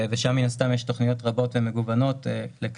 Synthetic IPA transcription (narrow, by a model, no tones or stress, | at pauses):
veʃamːinast̪amjɛʃto̞χnijo̞tʁabo̞tve̞me̞ɡuvano̞telek